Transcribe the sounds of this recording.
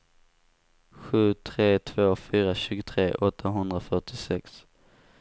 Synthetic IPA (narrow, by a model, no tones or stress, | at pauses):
ɧʉ̟ːt̪ʰɾeːt̪ʰv̥oːfyːɾaɕʉ̟ːɡʊt̪ʰɾeːʔɔt̪ʰːaɦɵnd̪ɾafœʈɪsɛks